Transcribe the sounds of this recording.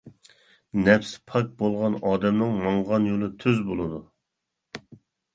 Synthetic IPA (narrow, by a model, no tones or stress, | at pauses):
nɛpspʰɑk̚bolˠʁɑnɑːd̪ɛmnɨŋmɑɴʁɑnjolˠɨt̪ʰøzbolˠɨd̪u